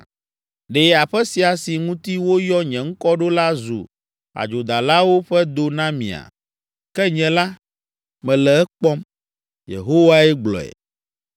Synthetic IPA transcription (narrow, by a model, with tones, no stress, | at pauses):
ɖe˨a˨ɸɛ˦si˨a˨si˨ŋũ˦t̪i˦wo˦jɔ˦ɲɛ̃˨ŋ̩˦kɔ˦ɖo˦la˦zṵ˨ | a̰˨d͡ʒo˨d̪a˨la˦wo˦ɸɛ˦d̪o˨nã˦mḭ̃˨a̰˨ | kɛ˦ɲɛ̃˨la˦ | mɛ̃˨lɛ˨ɛ˦k͡pɔ˦m | jḛ˨ɦo˦wa˦ɛ˦ɡ͡blɔ̰˨ɛ̰˨